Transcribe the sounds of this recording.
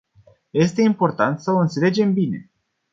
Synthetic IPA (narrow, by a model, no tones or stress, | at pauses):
je̞st̪e̞impo̞rt̪ant̪səoɨnt̪se̞le̞d͡ʒe̞mbine̞̰